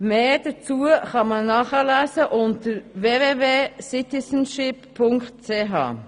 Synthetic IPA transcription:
meːd̥ət͡suəχɑmɑnːɑːχəlæːsəʔʊntəɾveːveːveːsɪt̪ɪsənʃɪpʰːʊŋktt͡seːɦɑ̰ː

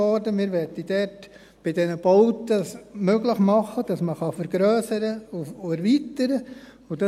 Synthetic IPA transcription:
ɔɾdəmɪːɾʋɛtid̥ɛɾt | b̥ɪdɛnəb̥ɔʊtəsmøɡləχmɑχːəd̥ɑsməχɑfɛɾɡɾœːsəɾəuɛɾvitəɾə | ʊdɑ

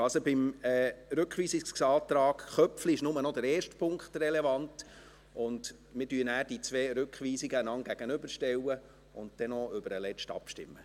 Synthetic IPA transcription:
ɑlsobɪmɛːɾʉkχʋiːsisɑːtɾɑːɡχœpfliɪʃnʊmənɔdəɾɛːʃtpʰʊŋkχtrɛlevɑnt | ʊnd | mɪdyənæːɾdit͡sʋeːɾʉkχʋiːsiɡəanɑŋɡ̥æɡ̥ənʏbəɾʃtɛwə | ʊnt̚d̥ɛnɔʏbəɾəlɛt͡ʃtɑ̰pʃtɪ̰mːə

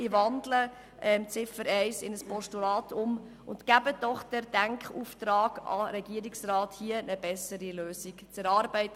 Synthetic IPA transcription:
ɪvɑnd̪lə | ʔɛmt͡sɪfəɾɛɪsɪnəspɔʃtulɑːtʰʊm | ʊntkæbəd̥ɔχd̥ɛɾd̥æŋkχuːft̪ɾɑːɡ̥ɑ̰ɾɛɡiəɾiksrɑːthiənəbɛsəɾiløːsikt͡sɛɾɑːɾbɛɪtə

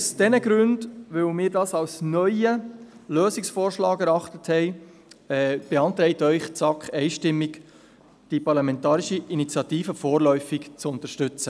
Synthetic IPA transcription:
usd̥ɛnəɡɾʉndʋɵwmɪːɾdɑːsɑwsnœʏəløːsɪksfoːrʃlɑːɡɛɾɑχtəthɛɪ | ɛb̥ɛɑnt̪ɾɛɪtœʏχt͡sɑkχɛɪʃtɪmːɪk | d̥ipɑɾlɑmɛntɑːɾiʃiʔinit͡sjɑtiːfəfoːrlœʏfɪkt͡sʊntəɾʃtʏt͡sə

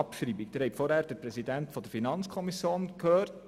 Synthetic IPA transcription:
ɑpʃɾiːbikd̥ɪɾhɛfɔɾhæːɾd̥əɾpɾɛsidæntfɔdəɾfinɑnt͡skʰɔmisjoːnkhøːɾt

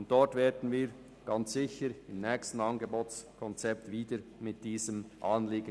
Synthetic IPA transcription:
ʊnt̚d̥ɔɹtvɛːdn̩viːɾ | ɡ̥ɑnt͡sz̥ɪçəɾɪmnɛːkstn̩ɑnɡeboːtskʰɔnt͡sɛp̚tviːdəɾmɪt̚d̥iːzəmʔɑːnliːɡə

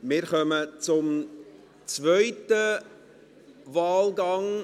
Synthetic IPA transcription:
mɪːɾχœmət͡sʊm | t͡svœʏtə | vɑːlɡɑŋ

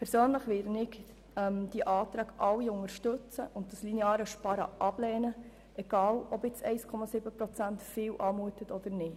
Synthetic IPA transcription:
pʰɛɾsøːnləχʋɪdənɪɡ | ɛmd̪̥iəʔɑːt̪ɾɑːɡʔɑwːiʊŋəɾʃtɵt͡səʔʊntdɑslineɑːɾəʃpɑɾə̰ʔɑb̥lɛːnə | ɛɡ̥ɑːlɔbɪt͡sɛɪskʰɔmɑsɪbəpɾɔt͡sæntfɪːwʔɑːmuətətɔd̪̥əɾnɪt

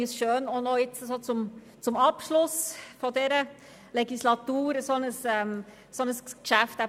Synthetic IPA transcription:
əsʃøːnonɔjɪt͡səsot͡sʊm | t͡sʊmɑpʃlʊsfɔdɛːɾə | lɛɡislɑt̪uːɾəsɔnəsɛm | sonəskʃæftæ

